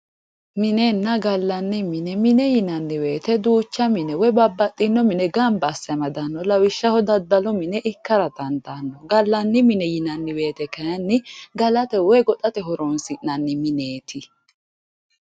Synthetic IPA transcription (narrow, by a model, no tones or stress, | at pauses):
mɪnɛnːɐɡɐlːɐnːɪmɪnɛmɪnɛjɪnɐnːɪwe̞ːt̪ɛd̪uːt͡ʃːɐmɪnɛwɔjbɐbːɐt̪ʼːɪnːɔmɪnɛɡɐmbɐsːɐmɐd̪ɐnːɔlɐwɪʃːɐhɔd̪ɐd̪ːɐlɔmɪnɛʔɪkːɐɾɐt̪ɐnd̪anːɔɡɐlːɐnːɪmɪnɛjɪnɐnːɪwe̞ːt̪ɛkɐjɐnːɪɡɐlɐt̪ɛwɔjɡɔt̪ʼɐt̪ɛɦɔɾɔnsɪʔnɐnːɪmɪneːt̪ʰɪ